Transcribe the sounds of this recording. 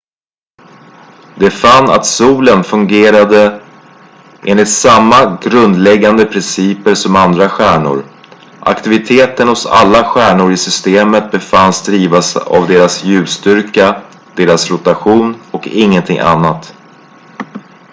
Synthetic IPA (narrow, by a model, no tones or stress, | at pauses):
d̪̥ɛfanːa̰t̪suːlənfɵŋɡeːɾad̪ə | ʔḛːnlɪt̪samːaɡɾɵnd̪lɛɡːand̪əpʰɾɪnsiːpəʂɔmand̪ɾaɧæːɳʊ̰ɾ | ʔa̰kt̪ɪvɪt̪ʰeːt̪ənhʊsa̰lːaɧæːɳʊɾɪsʏst̪eːmət̪̚bɛfanːsd̪ɾiːvasa̰vd̪eːɾasjʉ̟ːst̪ʏɾka | d̪̥eːɾasɾʊt̪aɧuːnɔkɪŋːənt̪ʰɪ̰ŋːʔa̰nːat̪